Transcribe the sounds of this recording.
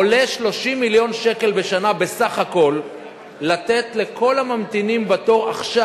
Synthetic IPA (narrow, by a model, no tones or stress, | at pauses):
ole̞ʃlo̞ʃimːiljo̞nʃe̞ke̞lbe̞ʃanabe̞saχako̞lː | at̪e̞t̪le̞ko̞lamamt̪inimbato̞ʁa̰χʃa